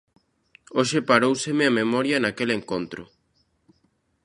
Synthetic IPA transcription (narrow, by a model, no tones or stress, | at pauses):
oʃepaɾowsemeamemɔɾjɐnakeleŋkont̪ɾʊ̰